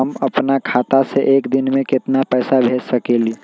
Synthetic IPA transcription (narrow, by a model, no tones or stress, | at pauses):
əmɐpnakʰaːt̪aseʔeːkd̪ɪnmẽkɪt̪napɛːsabʱeːsəkeli